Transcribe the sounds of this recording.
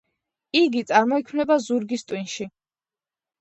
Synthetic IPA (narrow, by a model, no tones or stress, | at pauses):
iɡit̪sʼaɾmɔikʰmnɛbazuɾɡist̪ʼwinʃi